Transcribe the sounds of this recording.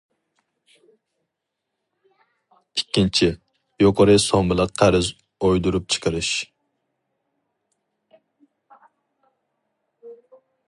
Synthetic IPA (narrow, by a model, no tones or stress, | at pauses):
ikʲʰːint͡ʃʰi | joqʰəɾɨsɔŋbɪlˠɨqʰæɾɪz | ojd̪uɾup̚t͡ʃʰə̥qʰəɾɨʃ